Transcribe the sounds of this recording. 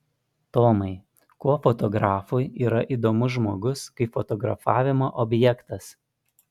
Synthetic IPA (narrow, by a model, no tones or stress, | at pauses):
t̪oːmɐɪ | kuɔfɔt̪ɔɡɾɑːfʊjiːɾɐʔiːˑd̪oːmʊʒmoːɡʊskɐɪfɔt̪ɔɡɾɐfɑːʋʲɪmoːʔɔbʲjɛkt̪ɐs